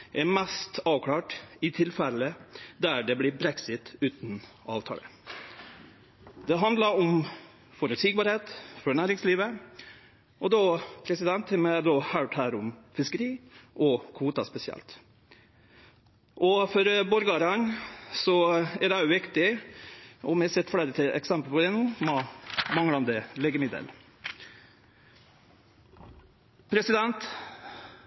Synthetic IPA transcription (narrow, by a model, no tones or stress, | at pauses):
ʔɛɾmɛst̪ɑːʋkʰɽɑːʈɪt̪ʰɪlfɛlːəd̪æɖɛblɪɾbɾɛksɪt̪ʉːt̪n̩ | ɑ̰ːʋt̪ʰɑ̰ːlə̰ | d̪̥ɛɦɑnd̪lɑɾɔm | fɔɾʉt̪sɪɡbɑːɾheːt̪fɔɳæːɾɪŋsliːʋə | ʔɔd̪opʰɾɛsɪd̪ɛnt̪hɛmɛd̪ɔhɑʈhæːɾʊmfɪskəɾiːʔɔkʰʋuːt̪ɑspɛsɪɛ̰lt̪ | ʔɔfɔɾbɔɾɡɑɾɑnsɔɛɖɛʊʋɪkt̪ɪ | ɔmɛsɛt̪ːfɽeːɾət̪ʰɪʔɛ̰ksɛmpəlpʰɔd̪ɛnuː | mɑŋlɑnd̪əlɛːɡəmɪd̪ə̰l | pʰɾɛsɪd̪ɛnt̪